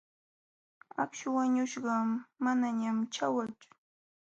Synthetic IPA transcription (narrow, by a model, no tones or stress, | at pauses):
a̰kʃʊwaɲʊʃɢɑːanaɲamt͡ʃawat͡sʊ̥